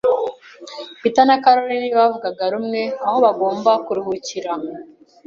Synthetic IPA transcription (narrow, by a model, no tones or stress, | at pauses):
pitanakaɾo̞ɾeniβavuɡaɡaɾumŋe̞aho̞βaɡo̞ːmbakuɾihuciɾa